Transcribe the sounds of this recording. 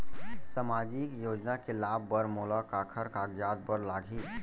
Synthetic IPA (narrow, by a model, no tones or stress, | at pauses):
səmaːd͡ʒikjoːd͡ʒnakelaːbːəɾmoːlakaːkʰəɾkaːɡjaːd̪̚bəɾlaːɡʱiː